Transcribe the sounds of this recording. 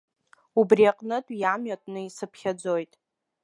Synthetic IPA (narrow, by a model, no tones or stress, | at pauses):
ubriaqʼnɨtʼjamɥatʼnɨisɨpʰχʲad͡zojtʼ